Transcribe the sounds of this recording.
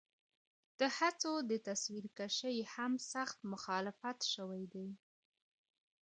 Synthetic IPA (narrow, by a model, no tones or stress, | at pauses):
d̪̥əhat͡sod̪ət̪aswiɾkaʃəjhamsaxt̪mʊxɑlɪfat̪ʃəwajd̪aj